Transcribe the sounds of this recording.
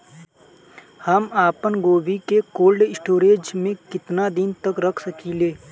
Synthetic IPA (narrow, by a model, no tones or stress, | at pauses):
həmaːpənɡoːʋikekoːlɖɪsʈoːɾeːd͡ʒmẽkɪt̪nad̪ɪnt̪ɐkɾɐkʰsɐkileː